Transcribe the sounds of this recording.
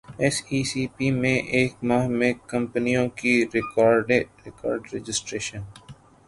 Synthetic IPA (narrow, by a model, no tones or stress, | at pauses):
ɛsiːsiːpimẽʔeːkmaːɦmẽkːə̃mpənijõkiɾɪkɔːɾɖeɾɪkɔ̰ːɾɖɾed͡ʒɪsʈɾeːʃən